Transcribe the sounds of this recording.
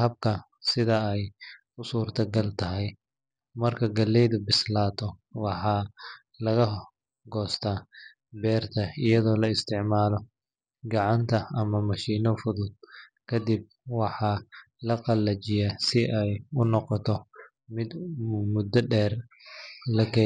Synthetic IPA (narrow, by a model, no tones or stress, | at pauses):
hɐb̚kʰɐ | sɪðɐɛj | ʊsuːrt̪ʰɐɡɐlt̪ʰɐɦɛj | mɐrkʰɐɡɐlɛjðɐbɪslaːt̪ʰɔwɑħɑː | lɐɣɐ | ɡɔːst̪ʰaː | bɛːrt̪ʰɐɪjɐðɔːlɐɪst̪ʰɪʕmaːlɔ | ɡɑʕɑnt̪ʰɐɐmɐmɐʃiːnɔfʊðʊd̪̚kʰɐd̪ib̚wɑħɑː | lɐqɑlɐt͡ʃɪjɛsɪʔɛjʊnɔqɔt̪ʰɔ | mɪd̪mʊd̪ːɐɖɛːr | lɐkʰɛ